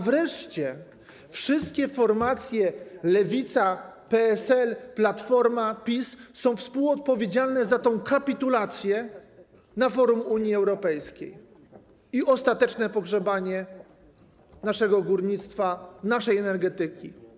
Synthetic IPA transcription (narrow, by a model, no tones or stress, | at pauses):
vɾɛʂt͡ɕɛ | fʂɘst̪̚kʲɛfɔɾmat̪sʲjɛlɛvʲit̪sapɛɛsɛlplat̪fɔɾmapʲisːɔ̃w̃fspuwɔt̪̚pɔvʲjed͡ʑalnɛzat̪ɔ̃w̃kapʲit̪ulat̪sʲjɛ | nafɔɾumuɲjiɛwɾɔpɛjskʲḛj | iʔɔst̪at̪ɛt͡ʂnɛpɔɡʐɛbaɲɛ | naʂɛɡɔɡuɾɲit̪st̪fanaʂɛjɛnɛɾɡɛt̪ɘkʲḭ